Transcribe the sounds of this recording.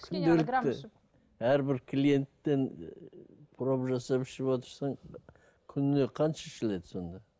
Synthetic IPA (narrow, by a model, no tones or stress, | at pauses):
kʲʰʏnd̪elɪk̪ɪ | æɾbɪɾkʲʰlije̞nt̪ːe̞n | pʰʊɾɑpʒɑsɑpɪ̥ʃɪpwot̪əɾsɑɴ | kʲʰʏnɪne̞qʰɑnʃɑʃele̞d̪ɪso̞nd̪ɑ